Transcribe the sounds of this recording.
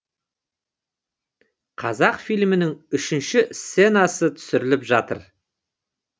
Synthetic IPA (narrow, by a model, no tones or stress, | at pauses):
qʰɑzɑqfijlmɪnɪŋʏʃɪnʃɪsse̞nɑsət̪ʰʏ̥sɪɾɪlɪpʒɑt̪ə̰ɾ